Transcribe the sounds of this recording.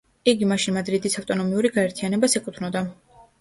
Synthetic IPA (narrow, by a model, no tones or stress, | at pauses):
iɡimaʃinmad̪ɾid̪isaft̪ʼɔnɔmiuɾiɡaɛɾt̪ʰianɛbasɛkʼut̪ʰnɔd̪a